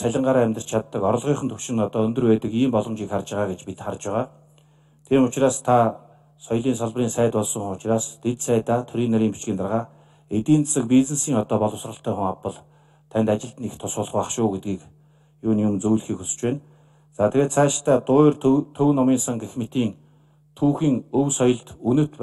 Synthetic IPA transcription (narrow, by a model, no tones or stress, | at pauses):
sæɮʲə̆ɴɢaːɾaːæmʲt̪ə̆r̥t͡ɕt͡ɕʰat̪ːə̆kɔɾɞ̆ɮʁiːχə̆nt̪ʰɵwʃɪ̆nɔt̪ɔːɵnd̪ɵ̆rpæːt̪ə̆kiːmpɔɮɞ̆mt͡ɕiːkχart͡ɕə̆ʁaːɡet͡ɕpit̪χart͡ɕpæʁaː | t̪ʰeːmʊt͡ɕraːst̪ʰa | sɔjɮiːnsɔɮp̆riːnsæːt̪ʊɮsɞ̆ŋʊt͡ɕraːst̪ʰet̪sæːt̪aːt̪ʰɵɾiːnːaɾʲiːmpi̥t͡ɕkʲiːnt̪arʁaː | et̪iːnt͡sḁsə̆k̚pit͡snĕsiːŋɔt̪ɔːpɔɮɞ̆wsrə̆ɬt̪ʰœːχʊŋapə̆ɮ | t̪ʰænʲt̪at͡ɕɪ̆ɮt̪ɘ̆nixt̪ʰʊsʊːɮ̆χʊːaχʃʊːɡet̪̚ɡiːk | jʊːnjʊmnt͡sɵjɮxiːkusɘ̥̆t͡ɕpæːn | t͡saːt̪ʰeɣeːt̪sʰæːʃt̪ʰæːt̪ʊːrt̪t̪ʰɵwnɔmiːnsăŋɡexmet̪iːŋ | t̪ʰuːxiːŋɵwsɔjɞ̆ɮt̪unɵ̆t̪p